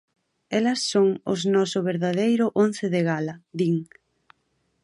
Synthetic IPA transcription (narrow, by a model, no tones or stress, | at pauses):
ɛlɐsːoŋʊ̰znɔsʊβeɾðaðejɾʊʔonθɪðeɣalɐðiŋ